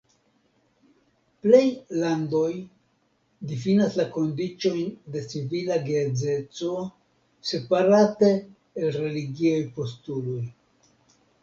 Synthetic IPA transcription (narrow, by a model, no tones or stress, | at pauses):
ple̞jlando̞j | difinaslako̞ndit͡ʃo̞jnde̞t͡sivilaɡed͡ze̞t͡so̞ | se̞paɾate̞ː | lɾe̞liɡiajpo̞stulo̞j